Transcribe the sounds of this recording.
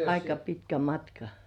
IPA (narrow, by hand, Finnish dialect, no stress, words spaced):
ɑikɑ pitkæ mɑtkɑ